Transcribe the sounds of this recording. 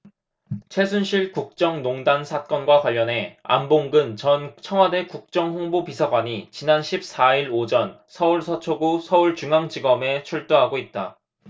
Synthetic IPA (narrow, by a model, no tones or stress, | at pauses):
t͡ɕʰwe̞sʰunɕʰiɭkuk̚t͡ɕ͈ʌŋnoŋdansʰat̚k͈ʌnɡwakwaʎːʌnɦe̞a̰mboŋɡɯnt͡ɕʌnt͡ɕʰʌŋɦwade̞kuk̚t͡ɕ͈ʌŋɸoŋbopisʰaɡwaɲit͡ɕinanɕʰip̚s͈aiɾod͡ʑʌnsʰʌuɭsʰʌt͡ɕʰoɡosʰʌuɭt͡ɕuŋaŋd͡ʑiɡʌme̞t͡ɕʰuɭt͈oɦaɡoit̚t͈a